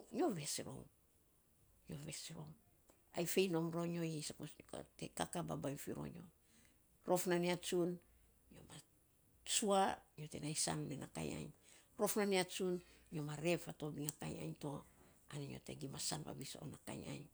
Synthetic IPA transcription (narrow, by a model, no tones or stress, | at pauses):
ɲo̞ve̞sɾo̰wŋ | ɲo̞ve̞sɾo̞̰ | ajfe̞jno̞mɾo̞ɲojisako̰tekakababajfiɾo̰ɲo̞̰ | ɾo̞fnaneat͡ʃun | ɲo̞ma | t͡ʃuaɲo̞te̞najsa̰nlenaka̰ja̰jɲ | ɾo̞fnaneat͡ʃunɲo̞maɾe̞fato̞biŋakaja̰jɲto̞ | aneɲo̞̰te̞̰ɡimasanpa̰biso̰naka̰ja̰jɲ